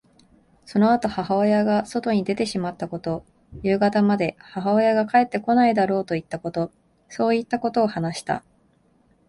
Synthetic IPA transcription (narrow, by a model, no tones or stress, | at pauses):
so̞no̞at̪o̞hahaojaɡaso̞t̪o̞ɲ̟id̪e̞t̪e̞ɕimat̪ːako̞t̪o̞ | jɯ̟ːɡat̪amad̪e̞haɦao̞jaɡakae̞t̪ːe̞ko̞naid̪aɾo̞ːt̪o̞it̪ːako̞t̪o̞ | so̞ːit̪ːako̞t̪o̞ːhanaɕi̥t̪a̰